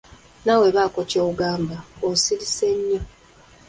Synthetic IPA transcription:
nawe̞βakocoːɡaːmbaosiɾise̞ɲːu

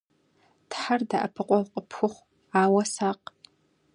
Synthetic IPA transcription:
d̥ħardaʔapʰɨqʷʼɔlqʼəpʰxʷʊχʷ | aːwɐsaːqʼ

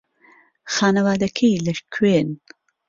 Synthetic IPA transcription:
xaːnɐwaːd̪ɐkʰejlɐʃkʰweːn

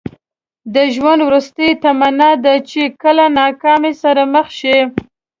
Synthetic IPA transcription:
d̪əʒwand̪wɾust̪ajt̪amanɑd̪at͡ʃekəlanɑkɑmesaɾaməxʃi

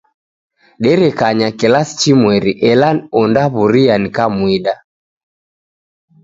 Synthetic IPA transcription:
ɗɛɾɛkaɲakɛlasi̥t͡ʃimwɛɾiʔɛlanɔndaβuɾianikamwiɗa

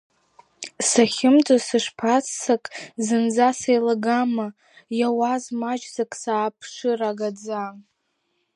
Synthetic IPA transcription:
saχʲɪmt͡sʼasɨʂpʰat͡sʰːakʼzɨnd͡zasejlaɡama | jawazmad͡ʒzakʼsaːpʰʂɨraɡad͡zan

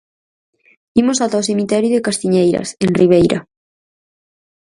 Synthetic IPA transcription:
imosat̪awsemit̪ɛɾjuðekast̪iɲejɾɐ̰seŋriβ̞ejɾɐ̰

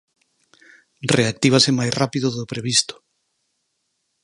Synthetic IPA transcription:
reak̚t̪iβ̞asemajsrapiðoðopɾeβ̞ist̪o̥

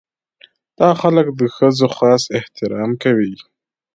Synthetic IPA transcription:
d̪̥ɑxaləkd̪əxəzoxɑːsɪht̪ɪɾɑmkawi

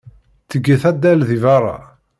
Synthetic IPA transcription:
t͡sːəɡːəθæd̪ːælðivɑrˤɑ̰

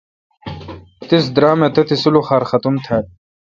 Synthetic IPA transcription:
t̪is̬d̪ɾaːmet̪ɐt̪isuluχaːɾxɐt̪umt̪ʰɐː

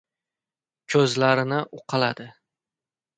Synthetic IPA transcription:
kʰɵzlaɾɪnɪʔʊqʰɑla̰d̪ɪ

